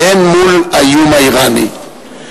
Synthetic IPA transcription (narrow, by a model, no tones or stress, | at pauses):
enmʊlajʊmajɢɑnɪ̰